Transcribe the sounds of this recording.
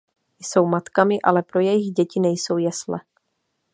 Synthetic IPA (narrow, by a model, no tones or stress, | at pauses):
jso̞wmat̪kamɪʔalɛpɾo̞jɛjɪɣɟɛcɪnɛjso̞wjɛslɛ̰